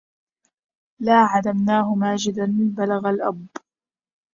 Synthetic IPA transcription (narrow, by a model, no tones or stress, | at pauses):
laːʕalamnaːɦʊmaːd͡ʒɪd̪anbalaɣalʔabː